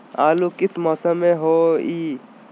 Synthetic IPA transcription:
aːlukɪsmɔːsəmːẽɦoːiː

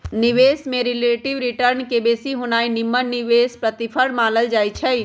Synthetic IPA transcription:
nɪʋeːsmẽɾɪleːʈɪʋɾɪʈəɾnkebeːsiɦonaːinɪmːənɪʋeːspɾət̪ipʰəɽmãːləld͡ʒaːit͡ʃʰɛ

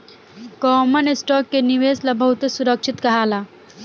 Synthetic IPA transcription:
kɔːmənesʈɔːkːeniʋeːslabʱɐɦut̪esuɾəkʃɪt̪kɐɦaːlaː

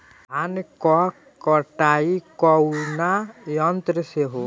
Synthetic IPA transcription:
ɦanikɔ | kɔʈaikɔwnajɔnt̪ɾəseɦo

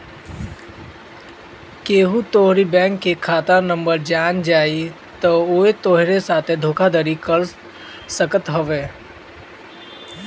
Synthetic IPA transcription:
keːɦut̪oːɦɾibɛ̃ːŋkːekʰaːt̪anə̃mbəɾd͡ʒaːnd͡ʒaːi | t̪ooːet̪oːɦɾesaːt̪ʰed̪ʱoːkʰad̪əɾikəɾ | səkət̪ɦoʋeː

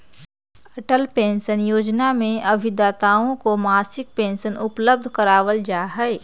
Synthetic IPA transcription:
ɐʈəlpẽːnʃənjoːd͡ʒnamẽɐbʱid̪aːt̪aːõkomaːsɪk̚pẽːnʃənʊpləb̚d̪ʱkəɾaːwəld͡ʒaːɦɛe

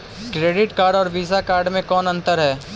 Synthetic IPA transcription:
kɾeːɖɪʈkaːɾɖɔːɾʋiːzakaːɾɖmẽkɔːnɐ̃nt̪əɾɦɛː

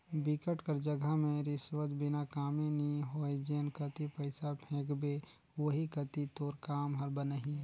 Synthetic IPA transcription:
bɪkəʈkəɾd͡ʒəɡʱəmẽɾɪswət̪bɪnakaːmẽniɦoːed͡ʒenkət̪ipəɪsapʰẽːkbe | ʋəɦikət̪it̪oːɾkaːmɦɐɾbənəɦĩ

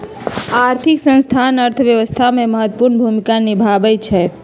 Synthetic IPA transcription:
aɾt̪ʰiksə̃nst̪ʰanəɾt̪ʰəʋjəʋəst̪ʰameməɦət̪ːəpuɾnbʱumikanibʱabɛt͡ʃʰɛ

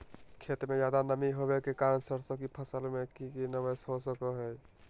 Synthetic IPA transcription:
kʰet̪ɾmed͡ʒad̪anəmiɦobekekaɾənsəɾsə̃kipʰəsəlmekikinəbəsɦosəkəɦəj

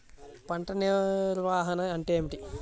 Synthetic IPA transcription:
pɐɳʈɐniɾʋaːɦɐnɐɐɳʈeːmiʈi

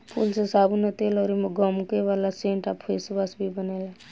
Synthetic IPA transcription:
pʰuːlsesaːbnət̪elɔɾimɡɔmkeʋaːlasẽːɳʈaːpʰesbasbʱibəneːla

